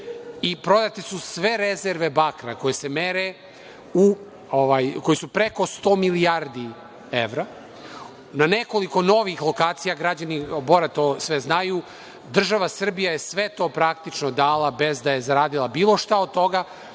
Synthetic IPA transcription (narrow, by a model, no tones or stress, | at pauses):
ipɾo̞d̪at̪esusʋe̞ɾe̞zeɾʋe̞bakɾako̞jese̞me̞ɾe | u | oʋaːjko̞jisupɾe̞ko̞st̪o̞ːmilijaɾd̪i | eʋɾa | nane̞ko̞liko̞no̞ʋixlˠo̞kaːt̪sijaɡɾad͡ʑanibo̞ɾat̪osʋe̞znaju | d̪r̩ʒaʋasr̩bijajesʋe̞t̪o̞ːpɾakt̪it͡ʃnod̪aːlˠabe̞zd̪aje̞zaɾaːd̪ilˠabiːlˠo̞ʃt̪aod̪̚t̪o̞ɡa